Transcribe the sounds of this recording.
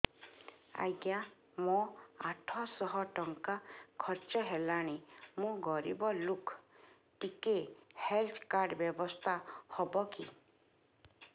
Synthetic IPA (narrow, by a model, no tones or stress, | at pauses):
a̰jɡja | mɔaʈʰɔ̃sɔɦɔʈɔŋkakʰɔɾt͡ʃɔɦelaɽ̃imũɡɔɾḭbɔlukʰ | ʈikehelt̪ʰkaɾɖbjɔbɔst̪ʰahɔbɔki